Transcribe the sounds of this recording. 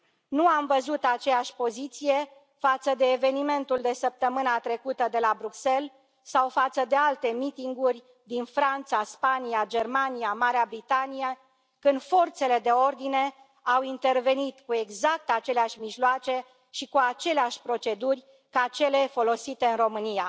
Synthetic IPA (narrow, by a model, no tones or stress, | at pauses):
nuamvəzut̪at͡ʃe̞jaʃʲpo̞zit̪sije̞ | fat̪səd̪e̞ːve̞nime̞nt̪uld̪e̞səp̚t̪əmɨnat̪ɾe̞kut̪əd̪e̞labɾukse̞l | sawfat̪səd̪e̞alt̪e̞mit̪iŋɡurʲ | d̪infɾant̪saspanijad͡ʒe̞rmanijamaɾeabɾit̪anije | kɨnd̪fo̞rt̪se̞le̞d̪e̞o̞rd̪ine̞ | awint̪e̞rve̞nit̪kue̞ɡzak̚t̪at͡ʃeleaʃʲmiʒloat͡ʃe̞ | ʃikuat͡ʃe̞leaʃʲpɾo̞t͡ʃe̞d̪urʲ | kat͡ʃe̞le̞fo̞lo̞sit̪e̞ɨnro̞mɨnija